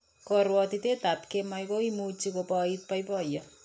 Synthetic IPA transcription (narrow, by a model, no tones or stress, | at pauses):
kɔɾwɔt̪it̪et̪apkemajkoimut͡ʃikopɔit̪̚pajpɔjʌ